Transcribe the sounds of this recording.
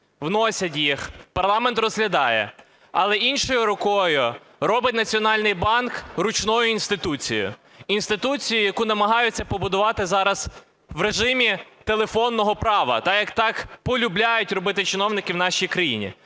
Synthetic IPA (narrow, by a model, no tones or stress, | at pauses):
ʋnɔsʲɐt̬ʲjixpɐrlˠɑmɛnt̪rɔzɦlʲɐd̪ɑjɛ̰ | ɐ̰lˠɛʔinʃɔjʊɾɔkɔjʊ | ɾɔbɪtʲnɐt͡sʲiɔnɑlʲnɪjbɑnkrʊt͡ʃnɔjʊinst̪ɪt̪ut͡sʲḭjʊ̰ | inst̪ɪt̪ut͡sʲijʊjɐkunɐmɐɦɑjʊt͡sʲːɐpɔbʊd̪ʊʋɑt̪ɪzɑɾɐz̥ | ʋɾeʒɪmʲit̪elˠefɔnːɔɦɔpɾɑʋɐ̰t̪ɑjɐkt̪ɑkpɔlʲʊblʲajʊtʲɾɔbɪt̪ɪt͡ʃɪnɔwnɪkʲɪwnɑʃijkɾɐjḭnʲḭ